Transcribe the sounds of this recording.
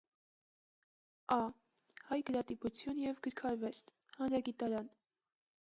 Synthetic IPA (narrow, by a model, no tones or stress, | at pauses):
ɑ | hɑjɡəɾɑt̪iput͡sʰjunjɛvɡəɾkʰɑɾvɛst̪ | hɑnɾɑɡit̪ɑɾɑn